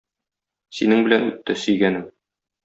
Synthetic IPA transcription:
sinɘŋbɘ̆lænʉ̰t̪ːɘsɵ̆jɡænɘŋ

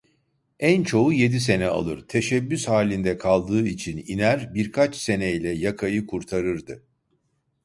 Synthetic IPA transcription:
ænt͡ʃʰo̞uje̞d̪is̬e̞nɛa̰lˠɯɾt̪ʰe̞ʃɛbːyshaːlʲind̪ɛkʰalˠd̪ɯːit͡ʃʰinḭnæɾbiɾkʰat͡ʃse̞nɛjlʲɛjakʰajɯkʰuɾt̪ʰaɾɯɾd̪ɯ

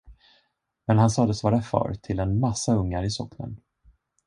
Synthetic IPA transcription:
mɛnhansɑːd̪əsvɑːɾafœ̰ːɾt̪ʰɪlɛnmasːaɵŋːaɾɪsɔkːnə̰n

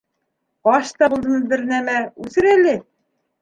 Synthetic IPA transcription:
ɑʃt̪ɑbulˠd̪ɤ̆nɤzbɘ̆ɾnæmæʉsɘɾælɘ

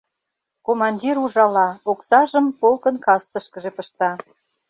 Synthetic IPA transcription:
komɑnʲdʲiɾuʒɑlɑoksɑʒəmpolkənkɑsːə̆ʃkə̆ʒepə̆ʃt̪ɑ

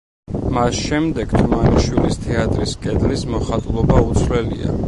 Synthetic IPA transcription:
masʃɛmd̪ɛɡ̥t̪ʰumaniʃwilist̪ʰɛat̪ʼɾiskʼɛd̪lismɔχat̪ʼulˠɔbaut̪sʰvlɛlḭa̰

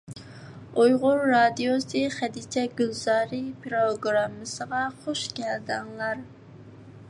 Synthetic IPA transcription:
ojʁʊɾːɑd̪ijosɨχæd̪it͡ʃʰɛɡʲylz̥ɑːɾɨpʰɾoɡɾɑmːɨsəʁɑχoʃɡʲɛld̪ɪŋlˠɑɾ

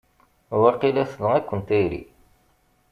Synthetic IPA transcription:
wæqilæsləʁækʷːənt̪æjɾḭ

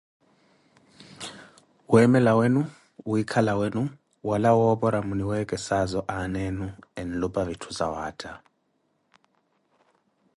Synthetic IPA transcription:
wɛmɛlawenu | uikʰalawenu | walawɔɓɔɾamuniwɛkʼɛsazɔʔanɛnuɛn̩lupʼaβitʰu̥sawaːtʰʼa

